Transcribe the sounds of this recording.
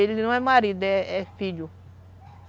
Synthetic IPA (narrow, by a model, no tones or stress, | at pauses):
elinɐ̃w̃ɛmaɾid̪ɛɛfiʎu